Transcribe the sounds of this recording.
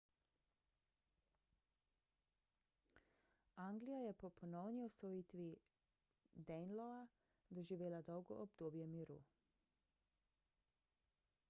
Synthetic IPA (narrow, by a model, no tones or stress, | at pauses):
aŋɡlijajɛpɔpʰɔnɔwniɔsʋɔjiːt̪ʋi | d̪ɛnlɔa | d̪ɔʒiʋeːlad̪ɔwɡɔ̰ʔːbd̪oːbjɛmiɾṵ